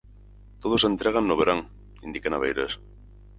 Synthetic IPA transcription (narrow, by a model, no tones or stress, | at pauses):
t̪oðosent̪ɾeɣ̞anːoβeɾaŋ | ind̪ikenaβḛjɾḛs